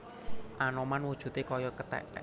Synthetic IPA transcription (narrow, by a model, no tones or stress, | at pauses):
ʔanɔmanwud̥ʒ̥ṳt̪ekɔjɔkət̪ɛ̰ʔɛ̰